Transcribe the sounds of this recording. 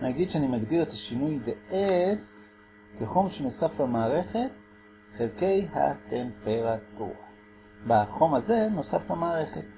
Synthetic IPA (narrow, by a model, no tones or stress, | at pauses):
naɡid̪ʃeanimaɡdiʁetaʃinujdeʔes | keχo̞mʃeno̞saflemaːʁe̞χe̞t | χelke̞jha̰te̞mpeʁatṵʁa | baχo̞maze̞no̞saflamaːʁe̞χet